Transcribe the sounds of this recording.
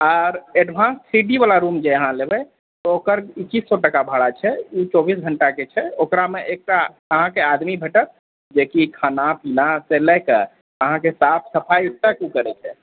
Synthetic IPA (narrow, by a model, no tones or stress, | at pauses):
ɔɾeɖbʱãnssiɖibalaɾumd͡ʒeəɦãlebɛ | t̪ɔokəɾikːisːɔʈəkabʱaɽat͡ʃʰɛut͡ʃɔbisɡʱəɳʈaket͡ʃʰɛokɾameʔek̚ʈa | əɦãkead̪mibʱeʈət̪̚ | d͡ʒekikʰanapʰinaselɛke | əɦãkesapʰsəpʰajuʈəkukəɾɛt͡ʃʰɛ̰